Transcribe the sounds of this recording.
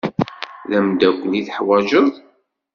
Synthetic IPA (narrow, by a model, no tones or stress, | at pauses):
ðæmd̪ækʷːniθħwæʒəðˤ